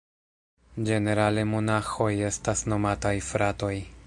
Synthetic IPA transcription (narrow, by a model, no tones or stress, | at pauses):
d͡ʒe̞ne̞ɾale̞mo̞naxo̞je̞stasno̞matajfɾato̞j